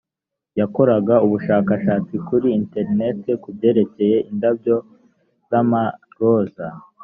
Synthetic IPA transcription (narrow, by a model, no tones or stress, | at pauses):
jako̞ɾaɡauβuʃaːkaʃaːt͡sikuɾiinte̞ɾine̞tekubɟe̞ːɾe̞ce̞je̞ʔindab̚ɟo̞ | z̥ama | ɡo̞ːza